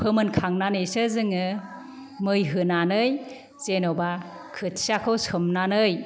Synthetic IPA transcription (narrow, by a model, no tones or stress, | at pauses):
pʰɯmɯnkʰaŋnanɯjsɯzɯŋɯ | mɯjɦɯnanɯj | zenoba | kʰɯt̚siakʰɯwsɯmnanɯj